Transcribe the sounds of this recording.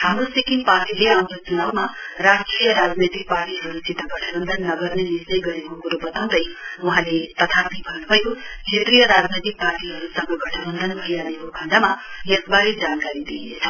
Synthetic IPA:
hamɾosikinpaɾʈileamkot͡ʃunaʋmaɾasʈɾijəɾaːd͡znet̪ik̚paːɾʈiɦɐɾusit̪aɡʌʈʰəbənd̪ʱənːʌɡʌɾnenislejɡʌɾekokuɾobʌt̪aw̪̃d̪əjʋɐɦãlet̪ʌt̪ʰat̪ibʱʌnbʱʌjukʰet̪ɾijəɾad͡znet̪ik̚paːɾʈiɦʌɾusʌŋɡʌɡʌʈʰəbənd̪ʱənbʱɐianekokʰɐɳɖamajekbaɦid͡ʒaːnkaɾid̪ijḛt̪ʰɐ

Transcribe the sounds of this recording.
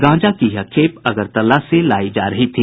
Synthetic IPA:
ɡãːd͡ʒakiɦɐkʰeːpɐɡəɾt̪ɐlaselaːid͡ʒaːɾɐɦit̪ʰiː

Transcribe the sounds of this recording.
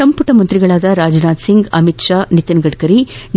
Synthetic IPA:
ɐmpuʈɐmɐnt̪ɾiɡɐɭaːd̪ɐɾaːd͡ʒnaːd̪siŋɡɐmit̪ʂaːnit̪ɐnɡɐɖkɐɾin

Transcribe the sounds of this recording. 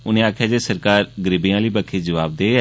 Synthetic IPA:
ʊnẽːaːkʰjaːd͡ʒeːsəɾkaːɾɡəɾibijãːliːbəkʰːeːd͡ʒəʋaːb̚d̪eː

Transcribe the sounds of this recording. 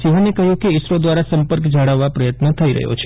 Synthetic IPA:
siɦanekəɦjũkeɪʃɾod̪ʋaɾasəmpəɾkd͡ʒaɽəʋːapɾəjət̪nət̪ʰəiɾə̰ɦo̰t͡ʃʰe̥

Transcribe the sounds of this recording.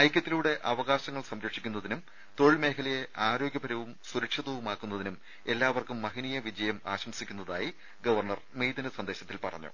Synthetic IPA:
ɐjkʲːɐt̪ːiluːɽe̞ʔɐʋɐɣaːɕɐŋːɐɭsɐmɾɐkʂi̥kʲːunːɐðinum | t̪o̞ɻɭme̞ːkʰɐlɐjeʔaːɾo̞ːɡjɐbɐɾɐʋumsuɾɐkʂɐðɐʋumaːkːunːɐðinum | e̞lːaːʋɐrkumːɐɦinijɐʋid͡ʑɐjɐmaːɕɐmsikʲːunːɐðaːji | ɡɐʋɐrɳɐrmejd̪ɐnɐsɐnd̪e̞ːɕɐt̪ːilpɐrɐ̰ɲːṵ

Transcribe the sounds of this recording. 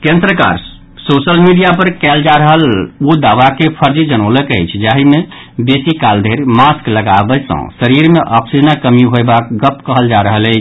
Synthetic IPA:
kẽnd̪ɾəka̰ɾ | sosəlmiɖijapəɾkɛld͡ʒaɾəɦəlod̪aʋakepʰəɾd͡ʒid͡ʒənələkəjt͡ʃʰd͡ʒaɦime | besikald̪ʱeɾmaskləɡabəsə̰̃səɾiɾmeʔɔksid͡ʒənakəmiɦojbakɡəpkəɦəld͡ʒaɾəɦələɪt͡ʃʰ

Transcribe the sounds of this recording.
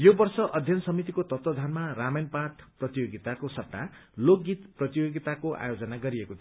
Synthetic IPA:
jobʌrsʌʔʌd̪ʱjʌnsʌmit̪ikot̪ʌt̪wʌd̪ʱanmaramejnpat̪ʰprʌt̪ijoɡit̪akosʌp̚ʈalok̚ɡit̪prʌt̪ijoɡit̪akoʔa̰jod͡zʌnaɡʌɾiekot̪ʰi

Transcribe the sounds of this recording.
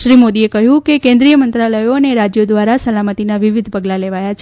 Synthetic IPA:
ʃɾimod̪iekəɦjũkekẽnd̪ɾijəmənt̪ɾaləjoneɾad͡ʒjod̪ʋaɾasəlamət̪inaʋiʋid̪ʱpəɡlaleʋajat͡ʃʰ

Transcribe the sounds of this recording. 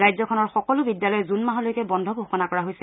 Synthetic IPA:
ɹajzɔkʰɔnɔɹxɔkɔlʊbidjalɔjɛzunmaɦɔlojkɛbɔndʱɔbʱoxɔnakɔɹaɦojsɛ

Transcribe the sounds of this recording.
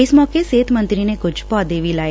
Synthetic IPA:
esmɔkeset̪mə̃nt̪ɾinekʊd͡ʒʰpɔd̪eʋila

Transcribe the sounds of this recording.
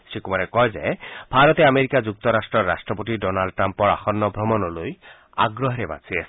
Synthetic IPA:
sikumaɾɛkɔjzɛ̰b̥ʱaɹɔt̪ɛameɹikad͡zuk̚t̪ɔɾastɹɔɹːa̰stɹɔpot̬idɔnalɖ̚ʈːɹampɔɹa̰xɔnːɔbʱɹɔmɔnɔloj | a̰ɡɹɔɦɾɛba̰sʰiɛs

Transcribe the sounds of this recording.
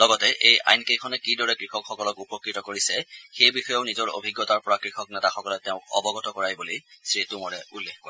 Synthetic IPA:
lɔɡɔtɛʔeja̰jnkejkʰɔnɛkidɔɹɛkɹixɔkxɔkɔlɔkupɔkɹitɔkoɹisɛxejbixɔjɔʊnizɔɹo̰bʱiɡːɔtaɹpɔɹakɹixɔk̚nɛtaxɔkɔlɔtɛʊ̃kɔ̰bɔɡɔtɔkɔɹajbulisɹitumɔɹɛulːexkɔ

